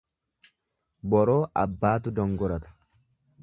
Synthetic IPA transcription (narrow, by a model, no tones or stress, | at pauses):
bɔɾoːʔɐbːaːt̪ʊd̪ɔŋɡɔɾɐt̪ɐ̥